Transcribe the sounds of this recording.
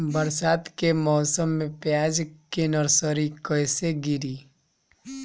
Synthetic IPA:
bɐɾsaːt̪kemɔːsəmːẽpjaːd͡ʒkenɔɾsəɾikəjseɡɪɾiː

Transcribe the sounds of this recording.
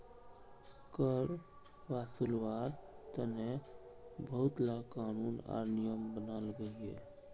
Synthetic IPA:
kəɾ | ʋaːsulwaːɾt̪əne | bʱəɦʊt̪lakaːnuːna̰ːɾnijəmbənaːlɡəiɦɛ̰ː

